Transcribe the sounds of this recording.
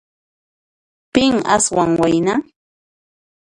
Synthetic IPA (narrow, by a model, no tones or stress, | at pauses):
pɪŋa̰swaŋwajna